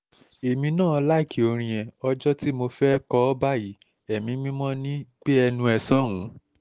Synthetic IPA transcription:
e˨mĩ˧nãː˦˨ɔ˧la˦i˦˨kʰi˨o˧ɾ̃ĩ˧jɛ̃˧ɔ˦d͡ʒɔ˦ti˦mo˧fɛ˦kɔ˧˦ɔ˦ba˦˨ji˨˦ | ɛ˨mĩ˨˧˦mĩ˦mɔ̃˦nĩ˦k͡pe˦ɛ˧nũ˧ɛ˧sɔ̃˦˨ũ˨˦

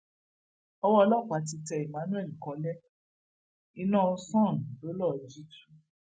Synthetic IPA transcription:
ɔ˧wɔ˦˧lɔ˦˨ka˨˦t̬i˧tɛ˧i˨mã˨˦nũ˦ɛ˦˨li˨kɔ̃˨˦lɛ˦ | i˧nã˦˨o˧sɔ̃˦˨n˨lo˨˦lɔ˦˨d͡ʒi˦tu˦

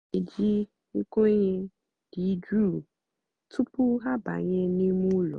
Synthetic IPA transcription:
e˨d͡ʒi˦ | ŋ̩˦ko˦ɲɛ̃˧ | d̥i˨˦d͡ʒu˦˨ | tʰu˦pu˦ɦa˦ba̰˨ɲɛ̃˧nĩ˦mũ˦lɔ̰˨

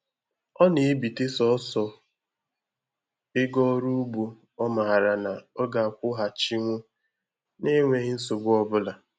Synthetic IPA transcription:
ɔ˦ne˨˦bi˨te˦sɔ˦sɔ˨ | ɪ˦ɡɔ˦ɾu˦u˦bu˨ | ɔ˦ma˨a˨ɾa˨na˨ɔ˦ɡa˨a˨kʷʊ˦ɦa˨t͡ʃi˦ŋʷʊ˦ | ne˦ŋʷe˦˨ɦɪ˦n̩˦sʊ˨bʊ˦ɔ˦bʊ˦la˨

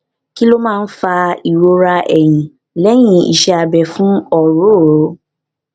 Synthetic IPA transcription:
ki˦lo˦mãː˦˧n̩˦fa˧i˨ɾo˧ɾa˧ɛ˨j̃ĩ˨ | lɛ˨˦j̃ĩ˧˦ḭ˨ʃɛ˧a˨bɛ˨fũ˦ɔ˨ɾo˦˨o˨˦

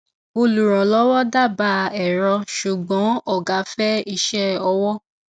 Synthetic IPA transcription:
o˧lu˨ɾ̃ɔ̃˨lɔ˦wɔ˦da˦˨ba˧ɛ˨ɾɔ˧ʃu˨ɡ͡bɔ̃˨˦ɔ˦˨ɡa˨˦fɛ˦i˦˨ʃɛ˦ɔ˧wɔ˦

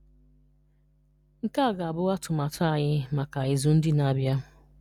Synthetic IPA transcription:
ŋ̩˦ka˦a˨ɡa˨a˨bʊ˦ɣa˦tʊ˨ma˨tʰa˦˨ɲɪ˦ma˨ka˨ɪ˨zʊ˨n̩˦dɪ˦na˨bja˦

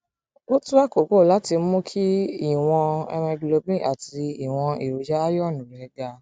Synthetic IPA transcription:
o˦tũ˦wa˦ko˨ko˦˨la˨˦ti˧˦mũ˦kʰi˦i˦˨w̃ɔ̃˧ɛ̰˧ɾɛ̃˧ɡlo˧bĩ˦˨a˨ti˨˧i˨w̃ɔ̃˧i˨ɾo˨˦d͡ʒa˦a˦jɔ˦˨nũ˨ɛ˨˦da˧

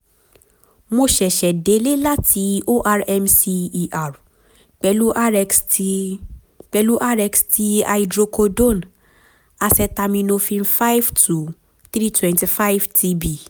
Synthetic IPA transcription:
mo˧ʃɛ˨ʃɛ˨de˨˦le˦la˦tʰi˧˦o˦ʔa˧ɾɛ˧msi˧i˦˨ʔa˨ɾ | k͡pɛ˧lu˦ʔa˦ɛ˧ks | k͡pɛ˧lu˦ʔa˦ɾɛ˧ksti˦a̰˧i˧dɾo˧ko˧dõ˦˨n | a˧sɛ˧ta˧mĩ˧nõ˧fĩ˧nfa˦jvtʰu˨ | θɾi˦twɛ̃˧nti˧fa˦jvtʰi˧bi˨

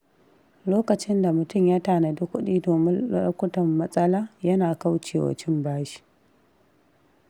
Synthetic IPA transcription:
loː˦kɐ˨t͡ʃɪ˦nda˨mʊ˨tʊ˦˨mja˦taː˨na˨dʊ˦kʷːʊ˦ɗiː˦doː˨mɪ̰˦ɐ˦kʷʊ˦tɐ˨mːɐ˦sʼɐ˦laː˦jɐ˦naː˨ka˦wt͡ʃeː˨wa̰˨t͡ʃɪ˦mbaː˦ʃi̥˦ʔ

